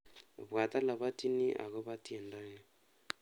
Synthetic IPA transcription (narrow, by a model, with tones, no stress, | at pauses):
βwa˨t̪a˦la˨βa˦ti˦ni˦ʔa̰˨ɣo˦βa˦tje˨nda˦ɣɛ˦